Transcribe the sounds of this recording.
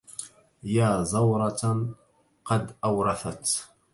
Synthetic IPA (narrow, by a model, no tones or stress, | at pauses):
jaːzˤɑwɾˤɑt̪ | qɑd̪ʔawɾˤɑθat̪